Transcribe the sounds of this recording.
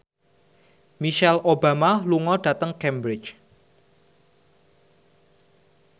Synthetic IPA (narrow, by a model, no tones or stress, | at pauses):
miʃɛlʔobamaluŋɔɖ̥ä̤t̪əŋkɛmbɾɪt͡ʃ